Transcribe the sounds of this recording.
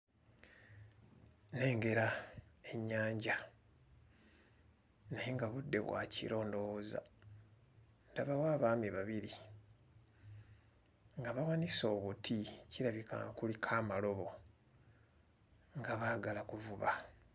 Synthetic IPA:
ne̞ːŋɡe̞ɾae̞ɲːaːɲɟa | najeŋɡaβudːe̞̰βwa̰cḭɾo̞ːndo̞ːza̰ | ndaβawaːβaːmiβaβiɾi | ŋɡaβawaniso̞ːβutʰiciɾaβika̰kulikʰaːmalo̞βo̞ | ŋɡaβaːɡalakuvuβa̰

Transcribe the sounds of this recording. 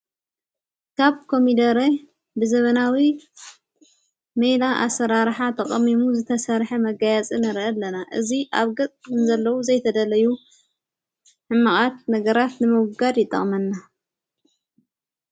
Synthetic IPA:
kʰaβkʰo̞mid̪ɐɾe | bɨzɐβɐnawi | mejlaʔa̰sːɐɾaɾħat̪ʰɐχʼɐmimuzɨt̪ʰɐsɐɾħɐmɐɡajat͡sʼinɐɾʔɐlːɐnaʔɨziʔaβɡɐt͡sʼkɨnzɐlːɐwuzɐjt̪ʰɐd̪ɐlɐju | ħɨmːɨχʼat̪̚nɐɡɐɾat̪nɨmɨwɡad̪jɪt̪ʼːɐ̰χʼmɐnːa

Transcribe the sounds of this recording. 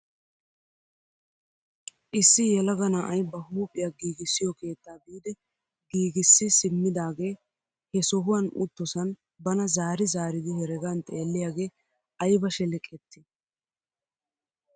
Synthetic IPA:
ʔɪsːɪjɛlɐɡɐnaːʔɐjbɐɦuːpʼːɪjaɡiːɡɪsːɪjɔke̞ːt̪ːaːbiːd̪ɛ | ɡiːɡɪsːɪsɪmːɪd̪aːɡe̞ː | hɛsɔɦʊwɐnʊ̰t̪ːɔsɐn | bɐnɐzaːɾɪzaːɾɪd̪ɪhɛɾɛɡant̪ʼeːlːɪjaːɡe̞ː | ɐjbɐʃɛlɛkʼɛt̪ːɪ

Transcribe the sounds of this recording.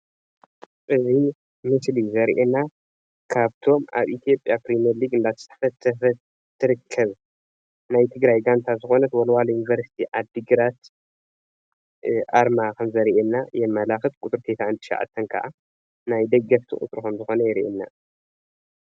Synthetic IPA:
ʔɨzi | mɨslizɐɾʔena | kʰaβt̪ʰo̞ma̰βit̪ʰijo̞pʼjapɾimɐliɡɨnd̪at̪ʰɐ̥sʰɐ̥fɐt̪ʰːɐfɐ | t̪ʰːɨɾɨkʰːɐβ | najt̪ʰɨɡɾajɡant̪ʰazɨxo̞nɐt̪wɐlwalɐjunivɐɾsi̥t̪ʰiʔad̪ɨɡɾat̪ | ʔaɾmakʰɐmzɐɾʔenːajɛmmːɐlaxɨt̪̚kʼut̪ʼɾt̪ʰet̪ʰaɨnt̪ʰɨ̥ʃɐ̰ʕa̰t̪ʰːɐnkʰɐʔa̰ | najd̪ɐɡːɐft̪ʰɨ̰χʼṵt̪ʼɾukʰɐmzɨxo̞nɐjɛɾʔenːa̰

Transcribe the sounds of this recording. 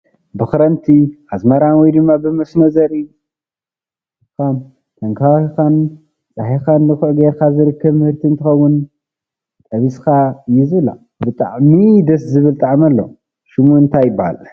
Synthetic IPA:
bɨxɨɾɐnt̪ʰiazmɐɾanwɔjd̪ɨmːabɨmɐsmɐzɐɾi | kam | t̪ʰɐŋkʰawkan | t͡sʼaħikandɨxʕɡeɾkʰazɨɾɨkʰːɐβmɨhɨɾt̪ʰint̪ʰɨxɐwːʊn | t̪ʼɐβiskʰaɨjːɛzɨβɨlːa̰ | bɨt̪ʼa̰ʕmid̪ɐszɨβɨlt̪ʼaʕmalːo̰ | ʃɪmuɨnt̪ʰajːɪbaha̰l

